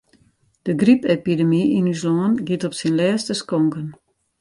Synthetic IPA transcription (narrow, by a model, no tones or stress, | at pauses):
d̥əɡripepidəmiʔinyslɔːənɡitɔpsinlɛːstəskɔŋkən